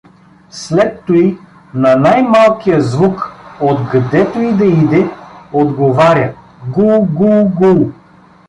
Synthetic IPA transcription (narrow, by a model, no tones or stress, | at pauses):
slɛt̪ːoi | nɐnajmalˠkijəzvukod̪ɡd̪ɛt̪oid̪ɐid̪ɛod̪ɡovaɾʲə | ɡulˠɡulˠɡulˠ